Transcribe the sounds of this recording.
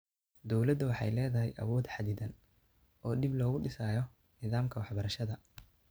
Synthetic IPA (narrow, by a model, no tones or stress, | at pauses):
d̪ɔwlɐd̪ɐwɑħɑ̰jlɛːðɐɦɛjʔɐ̰wɔːd̪ħɑd̪ɪd̪ɐn | ɔːɖɪblɔːɣʊɖɪsaːjɔ | nɪðaːmkʰɐwɑħbɐɾɐʃɐðɐ